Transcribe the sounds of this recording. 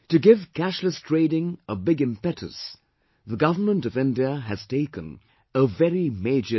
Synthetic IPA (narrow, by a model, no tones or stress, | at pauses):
tɨɡɪv̥kæʃləstʰɹ̥eɪɾɪ̃ŋəbɪɡɨ̃mpɛɾʰɨ̰s | ðəɡʌvə˞mə̃ntʌvɪ̃ndiəɨz̥tʰeɪkə̰̃n | əvɛɹimeɪd͡ʒə